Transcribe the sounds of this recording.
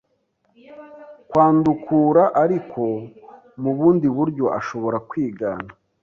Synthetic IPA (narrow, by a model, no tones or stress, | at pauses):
kwaːndukʰuːɾaʔaɾikʰo̞ | muβuːndiβuɾɟo̞ʔa̰ʃo̞βo̞ɾakwiːɡa̰ːna